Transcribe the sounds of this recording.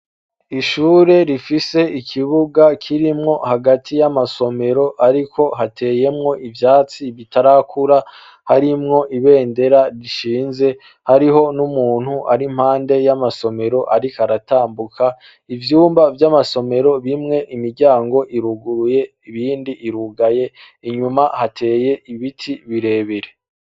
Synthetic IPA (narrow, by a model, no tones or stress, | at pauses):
iʃuːɾe̞ɾifise̞ikʰiβuɡakʰiɾimŋo̞haɡatʰijamaso̞me̞ɾo̞ʔaɾikʰo̞ɦatʰe̞ːje̞mŋo̞ʔivjaːt͡siβitʰaɾakuɾa | haɾimŋo̞ʔiβe̞ːnde̞ɾaɾiʃiːnze̞ | haɾiɦo̞numuːn̥huʔaɾim̥haːnde̞jamaso̞me̞ɾo̞ʔaɾikaɾataːmbukʰa | ivjuːmbavjamaso̞me̞ɾo̞βimŋe̞ʔimiɾɟaːŋɡo̞ʔiɾuɡuɾuje̞ | iβiːndiʔːɾuɡaje̞ | iɲumahatʰe̞ːje̞iβitʰiβiɾe̞ːβiɾe